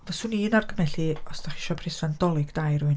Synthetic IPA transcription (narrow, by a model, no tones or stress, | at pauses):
vɛsʊniːnarɡʰəmɛɬiɔsd̥aχi̥ʃɔpʰrɪsandɔlˠɨɡdajɾʊɨn